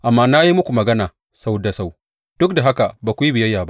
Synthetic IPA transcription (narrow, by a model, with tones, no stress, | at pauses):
ʔa˨mːaː˦na˦ji˦mʊ˦kʷu˨mɐ˨ɡɐ˦naː˨ | sa˦wdɐ˨sa˦˨w | d̥ʊ˦kda˨ɦa˦ka˨baː˨kʷu˨ji˦bɪ˨jɐ˦jːaː˨ba˦